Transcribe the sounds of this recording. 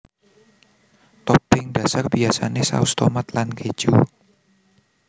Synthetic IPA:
t̪ɔpɪŋd̥ä̤sarb̥iasa̰nesa̰ust̪omat̪lanked̥ʒ̥u

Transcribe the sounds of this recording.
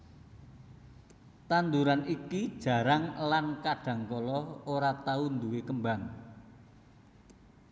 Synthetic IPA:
t̪and̪uɾaniki̥ʒ̥a̤ɾaŋlankaɖ̥ä̤ŋkɔlɔoɾat̪aund̪uwekəmbaŋ

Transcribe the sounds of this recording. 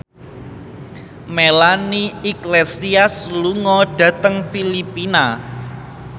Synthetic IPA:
melaniiklesiasluŋɔɖ̥ä̤t̪əŋfilipina

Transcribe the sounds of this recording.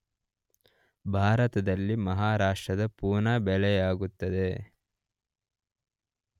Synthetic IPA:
bʱaːɾɐt̪ɐd̪ɐlːimɐɦaːɾaːʂʈɾɐd̪ɐpuːnaːbɛɭɛjaːɡut̪ːɐd̪e̞

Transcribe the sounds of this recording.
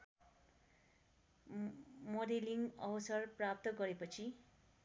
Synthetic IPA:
mʌɾeliŋʌwʌsʌrprap̚t̪ʌɡʌɾepʌt͡sʰi

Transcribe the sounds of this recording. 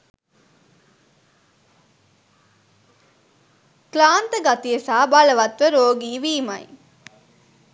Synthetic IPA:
klaːnt̪əɡat̪ijesaːbaləʋɐt̪ʋəɾoːɡiːʋiːmɐj

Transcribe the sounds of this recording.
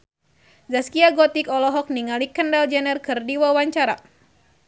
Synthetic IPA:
zaskiaɡɔt̪ikɔlɔɦɔk̚niŋalikəndald͡ʒɛnɛrkɨrdiwawaɲt͡ʃaɾa

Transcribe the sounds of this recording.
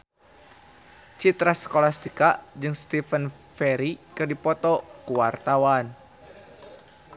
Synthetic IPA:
t͡ʃit̪ɾasə̥kolahst̪ikad͡ʒɨŋst̪ifən | fɛɾikɨrdipɔt̪ɔkuwart̪awan

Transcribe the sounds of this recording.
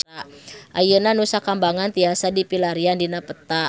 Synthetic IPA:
aʔajənanusakambaŋant̪iasadipilaɾiandinapət̪a

